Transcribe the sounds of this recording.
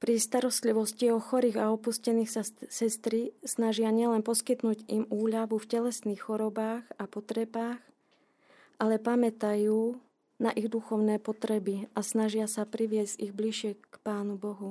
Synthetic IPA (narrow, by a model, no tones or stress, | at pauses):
pɾist̪aɾɔst̪liʋɔsciɔxɔɾiːɣaɔpuscɛniːxsasɛst̪ɾisnaʒɪaɲɪɛlɛnpɔskit̪nuːɟimuːʎaʋufcɛlɛsniːxxɔɾɔbaːɣapɔt̪ɾɛbaːx | ʔalɛpamɛt̪ajuː | naʔiɣd̪uxɔʊnɛːpɔt̪ɾɛbiasnaʒɪasapɾiʋɪɛzɟiɣbliʃɪɛkpaːnubɔɦu